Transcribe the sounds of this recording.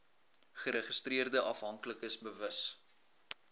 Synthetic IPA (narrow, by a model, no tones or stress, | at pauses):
χəɾəχəstriərdəʔɐfɦɐŋkləkəsbəvəs